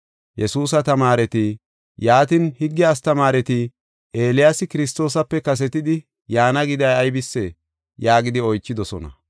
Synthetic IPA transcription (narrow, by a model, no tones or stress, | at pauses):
jɛsuːs̬ɐt̪ɐmaːɾɛt̪i | jaːt̪ɪnhɪɡːɪaːst̪ɐmaːɾɛt̪i | ʔe̞ːlɪjasɪkɪɾɪs̬t̪o̞ːsɐpːɛkɐs̬ɛt̪ɪd̪ɪ | jaːnɐɡɪd̪ɐjɐjbɪsːe | jaːɡɪd̪ɪɔjt͡ʃːɪd̪ɔsɔnɐ̰